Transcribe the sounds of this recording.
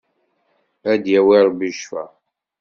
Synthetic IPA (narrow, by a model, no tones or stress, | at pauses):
æd̪jæwiɾˤbiʃfæ̰